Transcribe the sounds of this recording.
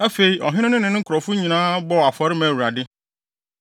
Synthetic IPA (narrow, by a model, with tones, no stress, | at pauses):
ɛ˦fe˨i˦ʔɔ˨ɦɪ̃˦nɪ̃˦nʊ̃˦nɪ̃˨nʊ̃˦kɾɔ˨fʊ˦ɲĩ˨nãː˦bɔ˦˨a˨fɔ˨˦ɾɪ˦mɛ̃˨wu˨ɾa˨dɪ˦